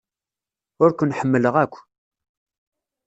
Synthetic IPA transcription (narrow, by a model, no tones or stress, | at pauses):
ʊɾkʷʊnħəmːələʁækʷː